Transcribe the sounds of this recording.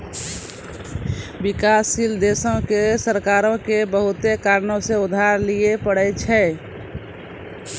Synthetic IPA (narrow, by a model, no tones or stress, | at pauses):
bikasːild̪esə̃kesəɾkaɾõkebəɦut̪ekaɾnõsẽud̪ʱaɾlijepəɽɛt͡ʃʰɛ